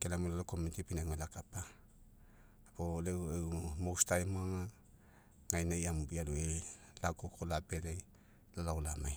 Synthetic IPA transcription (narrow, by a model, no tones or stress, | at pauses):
kelamulalokomentipinaŋalakapa | polewewmowstajmuaŋa | ŋajnajamubialuej | laɡokʰolapelej | lalaulamaj